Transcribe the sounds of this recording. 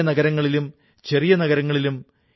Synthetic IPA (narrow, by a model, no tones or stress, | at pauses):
ɐnɐɡɐɾɐŋːɐɭilum | t͡ɕe̞rijɐnɐɣɐɾɐŋːɐɭilum